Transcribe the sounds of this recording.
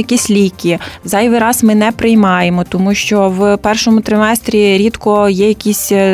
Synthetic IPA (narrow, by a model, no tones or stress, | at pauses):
jɐkʲisʲlʲikʲizɑjʋɪɾɑzmɪnɛpɾɪjmɑjemɔt̪ɔmuʃt͡ʃɔwpɛrʃɔmʊt̪ɾɪmɛst̪ɾʲiɾʲit̪kɔjɛjɐkʲisʲ